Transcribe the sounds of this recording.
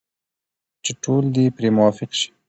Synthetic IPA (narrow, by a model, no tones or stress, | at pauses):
t͡ʃeʈʰold̪ipɾemʊwɑfɪqʃi̥